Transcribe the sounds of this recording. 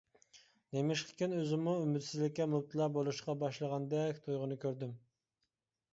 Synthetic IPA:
nemɪʃqʰɪ̥kʲinøzɪmːuymɪd̪sɪzlɪkʲːɛmup̚t̪ʰɨlˠɑːbolˠuʃqɑbɑʃlˠəʁɑnd̪ɛkʲt̪ʰujʁʊnɨkʲʰøɾd̪ym

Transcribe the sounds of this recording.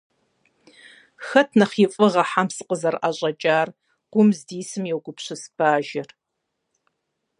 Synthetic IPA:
xɐtʰnɐχiːfʼɨʁɐħamsɨqəzɐrʔaɕʼɐt͡ʃʼaːr | ɡ̥ʷʊmzdiːsɨmjɛwɡʷʊpʰɕɪsb̥aːʒɪr

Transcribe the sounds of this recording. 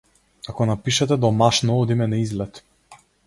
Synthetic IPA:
kakɔnapiʃat̪ɛd̪ɔmaʃnɔɔd̪imɛnaizlɛt̪

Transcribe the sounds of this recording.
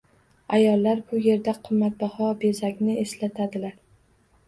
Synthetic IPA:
ajɒlːaɾbʊje̞ɾd̪aqʰɨmːat̪̚bahɒbe̞zakʲnɪeslat̪ʰad̪ɪlaɾ

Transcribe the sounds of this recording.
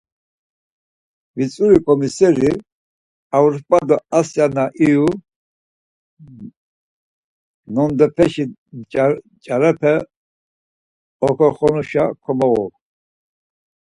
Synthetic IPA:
vit͡sʼuɾikʼɔmisɛɾi | auɾpʼad̪ɔasjanaʔiu | nɔnd̪ɛpʰɛʃi | t͡ʃʼaɾɛpʰɛ | ɔkʰɔχɔnuʃakʰɔmɔɣɔ̰

